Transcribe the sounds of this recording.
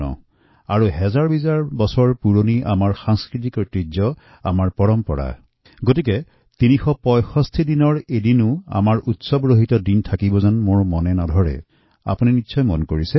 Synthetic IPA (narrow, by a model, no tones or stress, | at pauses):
ɔ̰ | aɹuɦɛzaɹbizaɹbɔsɔɹpuɹoniʔamaɹxaŋskɹit̬iktɹid͡ʒɔ | a̰maɹpɔɹɔmpɔɹa̰ | ɡotikɛ | tinixɔpɔjxɔstʰidinɔɹedinʊa̰maɹʔutsɔbɹoɦitɔdintʰakibɔzanmoɹmɔnɛnadʱɔɹɛ̰ | a̰puninitːsʰɔjmɔnkoɹisɛ